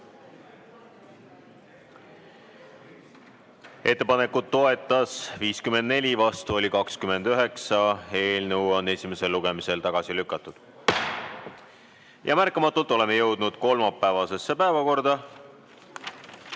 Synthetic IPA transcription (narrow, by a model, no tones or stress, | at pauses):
e̞t̪ːe̞pɑne̞kːud̪ːo̞e̞t̪ːˑɑsviːskymed̪ne̞lʲivɑst̪uo̞lʲikɑkskyme̞nd̪̥øɦe̞ksɑe̞ːlnɤwo̞nːe̞sʲime̞se̞lːuɡ̥e̞mise̞lt̪ɑɡ̥ɑsilykːˑɑt̪ːˑud̪̥ | jɑ̰mærkːˑɑmɑt̪ːˑult̪ːˑo̞le̞mejɤwd̪̥nud̪̥̚ko̞lmɑpːˑæːvɑse̞sːe̞pæevɑko̞rd̪̥ɑ